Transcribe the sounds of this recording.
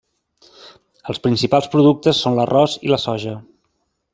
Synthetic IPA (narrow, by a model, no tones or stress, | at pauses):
əlˠspɾinsipalˠspɾuðuk̚t̪əsːonlərʔɔziləsɔʒə